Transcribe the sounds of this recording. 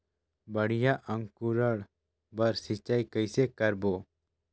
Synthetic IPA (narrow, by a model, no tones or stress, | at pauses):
bəɽ̤ijaʔəŋkuɾəɽ | bəɾsɪt͡ʃaikəjsekəɾbo